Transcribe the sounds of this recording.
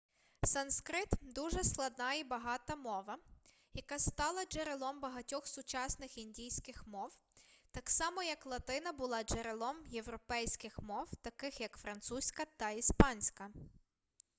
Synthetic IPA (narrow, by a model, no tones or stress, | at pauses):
sɐnskɾɪt̪d̪uʒɛsklˠɐd̪nɑibɐɦɑt̪ɐmɔʋɐ | jɐkɑst̪ɑlˠɐd͡ʒeɾelˠɔmbɐɦɐtʲɔxsʊt͡ʃɑsnɪxinʲdʲijsʲkɪxmɔwt̪ɑksɑmɔjɐklˠɐt̪ɪnɐbʊlˠɑd͡ʒeɾelˠɔmjewɾɔpɛjsʲkɪxmɔwt̪ɐkɪxjɐkfɾɐnt̪susʲkɐt̪ɐispɑnʲsʲkɐ